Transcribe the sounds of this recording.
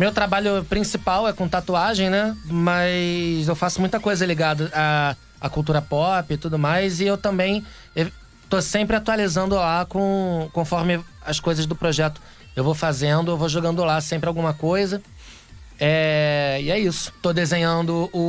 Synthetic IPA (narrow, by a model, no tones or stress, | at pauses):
mewt̪ɾabaʎʊpɾĩsipawɛkõt̪at̪uaʒẽj̃nɛmɐzewfasʊmũj̃t̪ɐkojzɐliɡad̪ɐa | akuwt̪uɾɐpɔpɪt̪ud̪ʊmajzɪewt̪ɐ̃mbẽj̃ | e | t̪osẽmpɾɪat̪ualizɐ̃nd̪ʊlakõkõfɔɾmɪɐskojzɐzd̪ʊpɾoʒɛt̪ʊ̥ | ewvofazẽnd̪ʊewvoʒoɡɐ̃nd̪ʊlasẽmpɾɪawɡũmɐkojzɐ | ɛɪɛisʊ̥t̪od̪ezẽɲɐ̃nd̪ʊʊ